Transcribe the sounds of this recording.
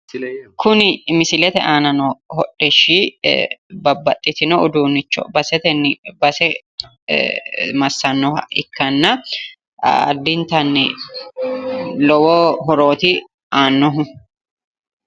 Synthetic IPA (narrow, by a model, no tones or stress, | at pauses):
kʰʊnɪmɪsɪlɛt̪ɛʔaːnɐnɔhɔᶑːɛʃi | bɐbːɐt̪ʼːɪt̪ɪnɔʊd̪uːnːɪt͡ʃːɔ̰bɐsɛt̪ɛnːbɐsɛ | mɐsːɐnːɔɐ̰ɪ̰kʰːɐnːɐ | ɐ̰d̪ːɪnt̪ɐnːɪ | lɔwoɦɔɾoːt̪ɪ | aːnːɔɦʊ